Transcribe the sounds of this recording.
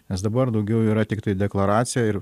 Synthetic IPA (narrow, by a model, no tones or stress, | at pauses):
nʲɛsd̪ɐbɐɾd̪ɐʊɡʲɛʊiːɾɐt̪ʲɪkt̪ɐɪd̪ʲɛklˠɐɾɑːt̪sʲɪjɛɪɾ